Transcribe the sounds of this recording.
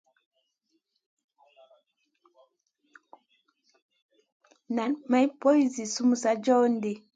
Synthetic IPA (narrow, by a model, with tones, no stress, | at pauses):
na˨nma˦jpo˦i˨zi˨su˦mu˨sa˦d͡ʒɔ˦nde˨